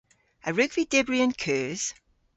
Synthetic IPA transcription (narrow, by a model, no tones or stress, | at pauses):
əɹʉɡv̥idɛbɹiə̃nkʰɜːz̥